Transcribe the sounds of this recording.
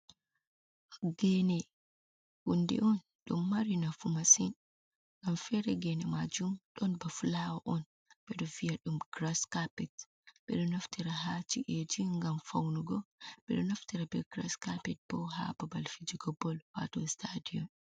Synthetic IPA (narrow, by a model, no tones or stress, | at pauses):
ɡɛnɛ | ʔundɛ̰ʔɔn | ɗṵmːaɾinafumasin | ŋɡamfɛɾɛɡɛnɛmad͡ʒumɗɔnbafulawaʔɔn | ɓɛɗɔvijaɗumɡɾaskapɛt | bɛɗɔnaftiɾaɦat͡ʃiʔed͡ʒiŋɡamfawnuɡɔɓɛ̰ɗɔnaftiɾabɛɡɾaskapɛt̚bɔɦa̰babalfid͡ʒiɡɔbɔlwa̰tɔstʰadijɔn